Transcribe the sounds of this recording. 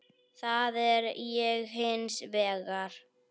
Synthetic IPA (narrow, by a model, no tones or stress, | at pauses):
θaðɛɾjɛɣɦɪnsvɛːɣaɾ̥